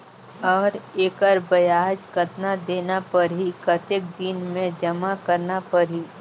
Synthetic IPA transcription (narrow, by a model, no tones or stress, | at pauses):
ɔːɾeːkəɾbɐjaːɦd͡ʒkət̪nad̪eːnapɐɾɦikət̪ɪk̚d̪inmẽd͡ʒɐmakɐɾnapɐɾɦi